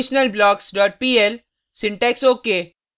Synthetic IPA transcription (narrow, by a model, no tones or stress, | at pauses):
ɪʃnəlblɔːɡsɖɔːʈ̚piel | sɪ̃ɳʈeksoːkeː